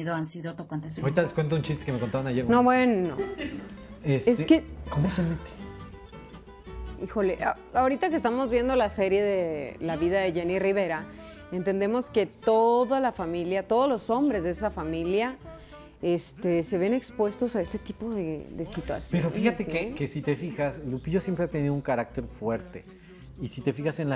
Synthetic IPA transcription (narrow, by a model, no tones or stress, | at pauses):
iðoansiðot̪okwant̪esaoɾit̪aleskwe̞nt̪aunt͡ʃist̪ekemeko̞nt̪aβanajeɾnoβwe̞no̰ | eseskekomosemet̪e̥ | ixo̞leʔa | ao̞ɾit̪akest̪amo̞zβje̞nd̪o̞lase̞ɾje̞ðelaβiðaðe̞ʝeniriβ̞e̞ɾa | e̞nt̪e̞nd̪e̞mo̞ske̞t̪o̞ðalafamiljat̪o̞ðozlo̞so̞mbɾe̞zðees̬afamilja | e̞st̪ese̞βe̞ne̞kspwe̞st̪o̞sae̞st̪e̞t̪ipo̞ðeðesit̪wa̰sjpḛɾonfixat̪ekekesit̪efixaslupiʝosjempɾeat̪eniðouŋkaɾak̚t̪e̞ɾfwe̞ɾt̪e | isit̪e̞fixase̞n